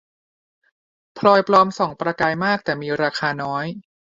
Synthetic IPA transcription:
pʰlɔː˧jplɔː˧msɔː˩˦ŋpɾa˧kaː˧jmaː˥˩k̚t̪ɛː˨˩miː˧ɾaː˧kʰaː˧nɔː˦˥j

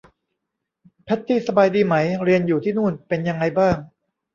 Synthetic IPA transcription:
pʰɛ˦˥t̪ʰːiː˥˩sa˧baː˧jdiː˧ma˩˦˥jɾi˧ənjuː˨˩t̪ʰiː˥˩nuː˥˩npe˧nja˧ŋːa˧jbaː˥˩ŋ

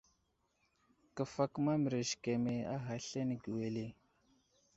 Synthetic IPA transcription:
kə˨fa˦kma˦m˨ɾe˨ʒke˨me˨a˦ɦa˨ɬe˦n˨ɡi˨we˨le˦˨

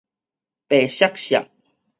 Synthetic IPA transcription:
pe˨˩ɕja˦˥k̚ɕja̰˨ʔ̚

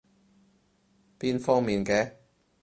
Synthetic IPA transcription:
piː˥nfɔː˥ŋmiː˨nkɛː˧

